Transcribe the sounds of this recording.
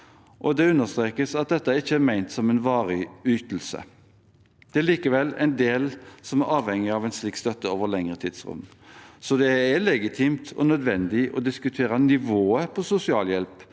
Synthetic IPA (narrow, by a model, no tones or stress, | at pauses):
ʔɔd̪ɛʉnːəst̪ɾeːkəsɑt̪̚d̪ɛt̪ːəɪçːəæɾmæɪnt̪sɔmɛnʋɑːɾyːt̪l̩sə̰ | d̪̥ɛæɭiːkəʋɛlːæ̰ɪnd̪eːlsɔmæɾɑːʋhɛŋːɪɑʋɛɪnsliːkːst̪œt̪ːəoːʋəlɛŋʁət̪ʰiːd̪sʁʉ̰md̪ | sɔd̪ɛælɛɡɪt̪ʰiːmt̪ʰɔ̰nœd̪ʋɛnd̪ɪʔɔ̰d̪ɪskʉt̪ʰeːɾɑnɪʋoːəpʰɔsʊsɪɑːljɛlp